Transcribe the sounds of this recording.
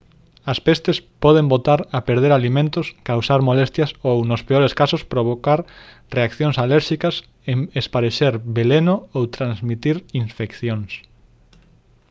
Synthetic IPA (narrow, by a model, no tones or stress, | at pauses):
ɐspest̪espɔðembot̪aɾɐpeɾðeɾalimẽnt̪ʊskawsaɾmolest̪jɐsownospeoɾeskasʊspɾoβ̞okaɾ | reakθjoŋsalɛɾʃikɐs | eŋespaɾeʃeɾbelenoowt̪ɾãnzmit̪iɾiɱfekθjoŋs